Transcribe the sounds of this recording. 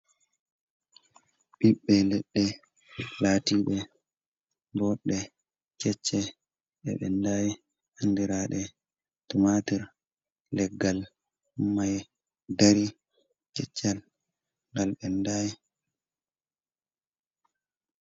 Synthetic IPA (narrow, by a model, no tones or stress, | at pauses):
ɓiɓːɛlɛɗːɛ | laːtiːɓɛ | bɔɗːɛ | kɛt͡ʃːɛ | ɓɛ̰ɓɛ̰ndaːjɛ | handiɾaːɗɛ | tumatiɾ | lɛɡːal | maj | daɾi | kɛt͡ʃːal | ŋɡalɓɛndaːjɛ